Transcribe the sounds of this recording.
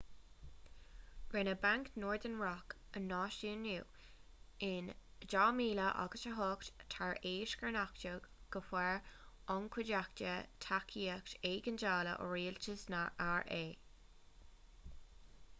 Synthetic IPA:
ɡ̥ɹɪnəbaŋknɔːɹd̪ənɹɔkənːɑːʃunuː | ɪnd͡ʒɑːmiːləʔa̰ɡəʃəɦɔkttʰaɹeːʃɡəɹnaktəɡɡ̥əfwɛɹɔŋkʰwɪdakt͡ʃət̪ʰakʰiːəkteːɡənd͡ʒaːlə̰ʔə̰ɹiːlt͡ʃəsnaaɹʔeː

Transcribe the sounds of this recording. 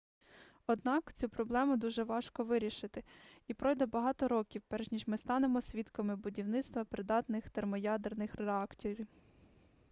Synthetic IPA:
ɔd̪nɑkt͡sʲupɾɔblˠɛmʊd̪uʒɛʋɑʃkɔʋɪɾʲiʃɪt̪ɪipɾɔjd̪ɛbɐɦɑt̪ɔɾɔkʲiwpɛɾʒnʲiʒmɪst̪ɑnemɔsʲʋʲit̪kɐmɪbʊdʲiwnɪt̪st̪ʋɐpɾɪd̪ɑt̪nɪxt̪ermɔjɑd̪ernɪxɾeɑkt̪ʲiɾʲw

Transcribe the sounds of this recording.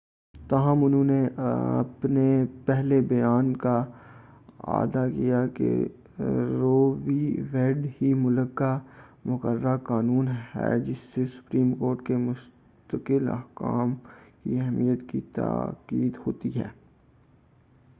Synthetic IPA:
t̪aːɦəmʊnɦõneɐ̰pnepɛɦlebɐjaːnka | a̰ːd̪akijakḛ | ɾoːʋiʋeːɖhimʊləkːamʊkəɾːakaːnuːnɦɛ̰ːd͡ʒɪsːesʊ̥pɾiːmkoːɾʈkemʊs | t̪əkɪlɐ̰ɦka̰ːmkḭɛɦmijət̪kit̪a̰ːkiːd̪ɦoːt̪iɦɛ̰ː

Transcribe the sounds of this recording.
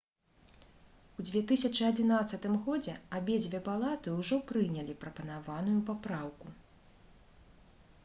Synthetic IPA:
wd͡zʲvʲɛt̪ɨsʲɐt͡ʂɨɐd͡zʲinat̪sːɐt̪ɨmɣɔd͡zʲɛabʲɛd͡zʲvʲɛpalˠat̪ɨwʐɔpɾɨnʲɐlʲipɾɐpɐnavan̪ujupapɾawku

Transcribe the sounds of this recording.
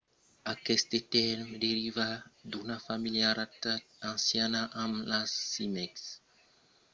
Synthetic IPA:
akɛst̪et̪ɛɾmd̪eɾivad̪unafamiljaɾat̪a | ãnsjanaʔamlasimɛks

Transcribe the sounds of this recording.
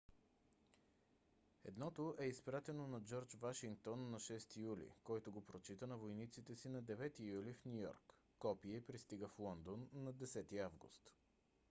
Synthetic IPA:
ɛ̰d̪nɔt̪oʔɛispɾat̪ɛnonɐd͡ʒɔɾt͡ʃvaʃiŋk̚t̪onːɐʃɛst̪ijulḭkɔjt̪oɡopɾot͡ʃit̪ənɐvojnit̪sit̪ɛsinɐd̪ɛvɛt̪ijulifnʲujɔ̰ɾkː | ɔpiɛpɾist̪iɡəflˠɔnd̪onːɐd̪ɛsɛt̪iavɡṵst̪

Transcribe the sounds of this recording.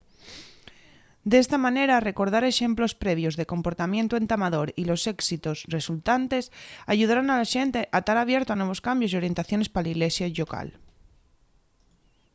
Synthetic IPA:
d̪ee̞st̪amãne̞ɾare̞ko̞ɾðaɾe̞ʃe̞mplo̞spɾe̞β̞jo̞zðe̞ko̞mpo̞ɾt̪amje̞nt̪oe̞nt̪amaðo̞ɾilo̞se̞ksit̪o̞sre̞sult̪ant̪e̞saʝuð̞aɾanalaʃe̞nt̪e̞ʔat̪aɾaβ̞je̞ɾt̪oanwe̞β̞o̞skambjo̞sio̞ɾje̞nt̪aθjo̞ne̞spalaiɣle̞sjaʎo̞ka̰l

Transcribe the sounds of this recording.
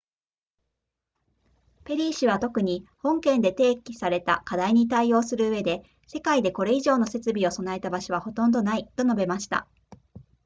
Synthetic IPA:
pe̞ɾʲiːɕiβ̞at̪o̞kɯ̟ɲ̟ihõ̞ŋkẽ̞nd̪e̞t̪e̞ːkʲi̥saɾe̞t̪a̰kad̪aiɲ̟it̪̬aio̞ːsɨɾɯ̟ɯ̟βe̞d̪e̞ | se̞kaid̪e̞ko̞ɾe̞iʑo̞ːno̞se̞t͡sɨbʲio̞so̞nae̞t̪abaɕoβ̞aho̞t̪õ̞nd̪o̞nait̪o̞no̞be̞maɕi̥t̪a̰

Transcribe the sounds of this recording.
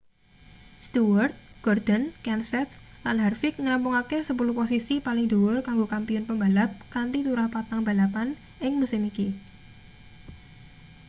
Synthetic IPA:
st̪uwərt̪̚ɡ̥ɔrd̪̥ənkɛnsɛt̪̚ | lanɦarfɪk̚ŋɾampʊŋakesəp̬uluhposisipalɪŋd̪owʊrkaŋɡokampiʊnpəmbalap̚kant̪it̪uɾahpat̪aŋb̥a̤lapan | ɪŋmusɪmiki

